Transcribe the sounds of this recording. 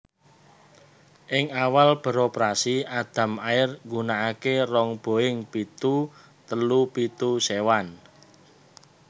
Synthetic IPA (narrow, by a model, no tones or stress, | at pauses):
ʔɪŋawalb̥ə̤ɾɔpɾasiad̪̥ä̤maɪrŋɡunaːkerɔŋb̥o̤ɪŋpit̪u | t̪əlupit̪usewan